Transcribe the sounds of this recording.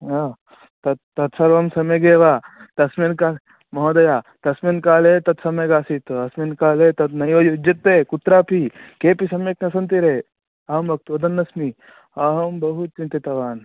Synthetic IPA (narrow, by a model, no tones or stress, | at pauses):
a | t̪ɐt̪ː | ɐt̪sɐɾʋɐmsɐmeɡeːʋaːt̪ɐsmenkaːl | mɐɦod̪ɐjaːt̪ɐsminkaːlet̪ɐt̪sɐmɐɡaːsit̪ɐsminkaːlet̪ɐt̪nɐjoːjod͡ʒɐt̪ːeːkut̪ɾaːpikeːpisɐmjeknɐsɐnt̪iɾe | ɐɦɐmbɐk̚t̪ɐd̪ɐnːɐsmi | ɐɦɐmbɐɦut̪̚t͡ʃint̪it̪ɐʋaːn